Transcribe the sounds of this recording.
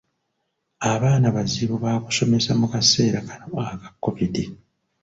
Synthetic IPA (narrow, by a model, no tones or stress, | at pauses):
aβaːnaβaziβoβaːku̥so̞me̞samukase̞ːɾakḁnoakḁkːo̞piti